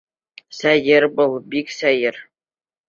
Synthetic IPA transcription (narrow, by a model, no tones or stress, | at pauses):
sæjɘɾbɤlˠbiksæjɘɾ